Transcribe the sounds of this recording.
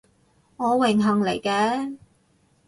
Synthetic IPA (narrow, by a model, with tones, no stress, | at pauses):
ŋɔː˨˧wɪ˨˩ŋɦɐ˨ŋle˨˩jkɛː˨˧